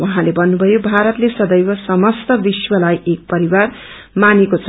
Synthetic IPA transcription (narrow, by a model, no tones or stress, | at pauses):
waɦãlebʌnːubʱʌjobʱaɾʌt̪lesʌd̪ʌjbʌsʌmʌst̪ʌbiswʌlajek̚pʌɾiwar | manekot͡sʰ